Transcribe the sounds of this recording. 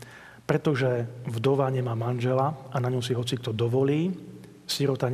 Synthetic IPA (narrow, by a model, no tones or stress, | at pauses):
pɾɛt̪ɔʒɛvd̪ɔʋaɲɛmaːmanʒɛlaanaɲɔʊsiɦɔt͡sik̚t̪ɔd̪ɔʋɔliː | siɾɔt̪aɲ